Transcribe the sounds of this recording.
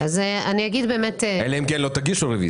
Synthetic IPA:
azeaniaɡid̪beːmet̪eeleemkenlot̪aɡiʃuʁevḭ

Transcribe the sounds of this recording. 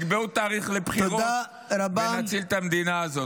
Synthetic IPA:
ɡbeut̪aːʁiχlepχioʁoa | ɾabenat͡silt̪amd̪inaːzo̞

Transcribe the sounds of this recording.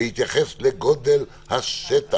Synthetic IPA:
hit̪jaχesleɡod̪el | haset̪a

